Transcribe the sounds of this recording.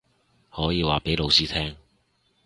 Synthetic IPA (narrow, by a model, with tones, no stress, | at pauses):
hɔː˨˥jiː˨˧waː˨˩pe˨˥jlo˨˧wsiː˥t̪ʰɛː˥ŋ